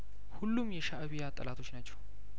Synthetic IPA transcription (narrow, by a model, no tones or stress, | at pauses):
hulːumjɛʃaʔəβijat̪ʼːə̰lʔat̪ʰo̞t͡ʃːnat͡ʃːɛ̥w